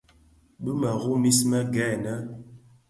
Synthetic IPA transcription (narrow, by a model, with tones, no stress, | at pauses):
ɓə˦ma˨ɣu˦mi˦smə˦ɡɛ˦˨na˦